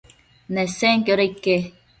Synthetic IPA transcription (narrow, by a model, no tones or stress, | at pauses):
neseŋkjoɾeike